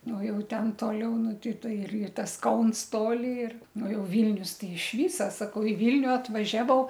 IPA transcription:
ˈnʊ ˈjɛʊ ˈtʲɛn ˈtoːlʲɛʊ ˈnʊ ˈtʲɛɪ ˈtoːj ɪr ɪr ˈtɐs ˈkɐʊns ˈtoːlʲɪ ɪr ˈnʊ ˈjɛʊ ˈʋʲiːlʲnʲʊs tʲɛɪ ɪʃ ˈʋʲiːsɐ sɐˈkɐʊ ɪ ˈʋʲiːlʲnʲʊ ɐtʋɐˈʒʲæːʋɐʊ

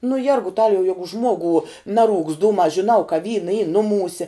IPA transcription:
nʊ ˈjɛrɡʊtɐlʲɛʊ ˈjæːɡʊ ˈʒmuɔɡʊ ˈnɑːˌruːkst ˈduːmɑː ʒʲɪˈnɐʊ kɐ ˈʋʲiːnɐ iː ˈnʊˌmuːsʲɛ

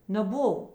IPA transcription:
nʲɛˈbʊw

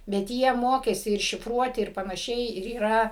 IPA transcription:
bʲɛt ˈjiɛ ˈmoːkʲeːsʲɪ ɪr ʃʲɪfˈruɔtʲɪ ɪr pɐnɐˈʃʲɛɪ ɪr iːˈrɐ

